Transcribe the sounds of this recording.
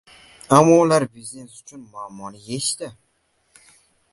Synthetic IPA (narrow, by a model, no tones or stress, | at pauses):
amːɒulaɾbizne̞sʊt͡ʃʰʊnmaːmːɒnɪjeʃt̪ɪ